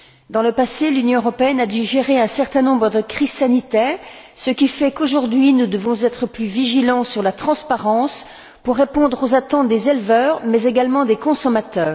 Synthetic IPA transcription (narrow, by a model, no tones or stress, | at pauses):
d̪ɑ̃ləpaselynjɔ̃øʁɔpeɛnad̪yʒeʁeɛ̃sɛʁt̪ɛ̃nɔ̃bʁəd̪əkχiz̥sanit̪ɛːʁsəkʲifɛkoʒuʁd̪ɥinud̪əvɔ̃zɛt̪χəplyviʒilɑ̃syʁlat̪χɑ̃spaʁɑ̃s | puʁːepɔ̃d̪ʁozat̪ɑ̃t̪̚d̪ezɛlvœːʁmɛzeɡalmɑ̃d̪ekɔ̃sɔmat̪œːʁ